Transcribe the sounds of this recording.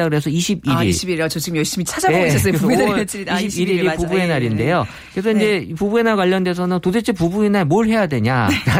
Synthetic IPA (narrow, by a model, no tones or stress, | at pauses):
aɡɯɾe̞sʰʌiɕʰibiɾḭɭit͡ɕʌt͡ɕiɡɯmjʌɭɕ͈imit͡ɕʰad͡ʑaes͈t͡ɕiiiɾiɾipubuenaɾinde̞jo | kesʰʌind͡ʑe̞ipubue̞naɭkwaʎːʌnde̞sʰʌnɯntodʰet͡ɕʰepubuenaɭmoɭɦe̞jadwe̞ɲana